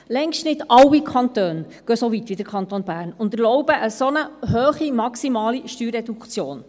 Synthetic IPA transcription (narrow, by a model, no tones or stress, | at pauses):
lɛŋʃtnɪdɑwikʰɑntøːn | ɡ̥œsɔʋitʋid̥əɾkʰχɑnt̪onbæːɾnʊnd̪əlɔʊb̥əʔəsɔnəɦøːχimɑksimɑːliʃtyːɾɛdukt͡sjoːn